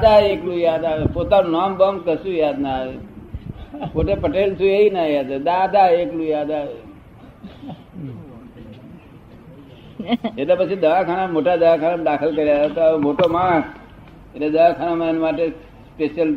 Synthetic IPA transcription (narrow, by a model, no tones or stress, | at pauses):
d̪aeklũjad̪aʋepot̪anũnambəmkəsũjad̪naʋe | poʈepəʈelt̪ʰueinajad̪ad̪ad̪aeklũjad̪aʋe | eʈlepət͡ʃʰid̪əʋakʰanamoʈad̪əʋakʰanad̪akʰəlkəɾjat̪aʋemoʈomãkʰ | eʈled̪əʋakʰanamaenmaʈe | speʃəl